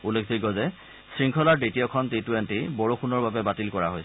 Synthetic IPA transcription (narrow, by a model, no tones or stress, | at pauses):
ulekʰdiɡɔzɛ | sɹiŋkʰɔlaɹditijɔkʰɔntitwentibɔɹoxʰunɔɹbabɛbatilkɔɹaɦoj